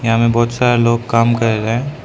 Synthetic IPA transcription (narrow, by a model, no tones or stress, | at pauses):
jɐɦãːmẽbɔːt̪saːɾeloːɡkaːmkɐɾeɾɐɦẽː